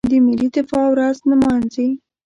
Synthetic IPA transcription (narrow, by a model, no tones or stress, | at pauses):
d̪əmilid̪ɪfɑwɾaznamɑnzi